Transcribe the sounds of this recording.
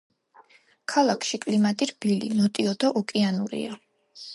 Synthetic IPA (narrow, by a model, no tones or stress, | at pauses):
kʰalˠakʰʃikʼlimat̪ʼiɾbilḭnɔt̪ʼiɔd̪ɔʔɔkʼianuɾḭa